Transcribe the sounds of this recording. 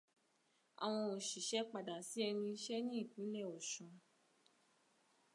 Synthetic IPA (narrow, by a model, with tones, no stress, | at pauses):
a̰˨w̃ɔ̃˧o˨ʃi˨ʃɛ˦k͡pa˨da˨si˨˦ɛ˧nĩ˧i˧ʃɛ˦nĩ˦i˦˨kũ˨˦lɛ˦˨o˨ʃɔ̃˧˦